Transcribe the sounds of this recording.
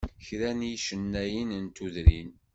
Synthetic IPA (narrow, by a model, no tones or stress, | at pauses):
çɾænjiʃənːæjənənt̪uðɾin